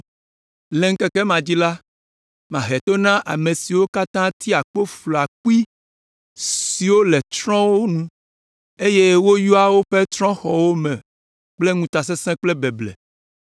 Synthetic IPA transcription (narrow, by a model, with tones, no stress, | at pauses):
lɛ̃˨ŋ̩˦kɛ˦kɛ˦mã˨d͡ʑi˦la˦ | mã˨ɦɛ˨t̪o˦nã˦ʔa˨me˨si˨wo˦ka˦t̪ã˦t̪ʰi˦a˨k͡po˦flɔ˨a˨k̚u˦i˦ | si˨wo˦le˨t͡ʃɾɔ̃˦wo˦nũ˦ | e˦je˦wo˦ju˦a˦wo˦ɸe˦t̪ɾɔ̃˦xɔ˨wo˦mɛ̃˨ | k͡ple˦ŋũ˦t̪a˨s̬e˦sɛ̃˦k͡ple˦bɛ˨blɛ̰˨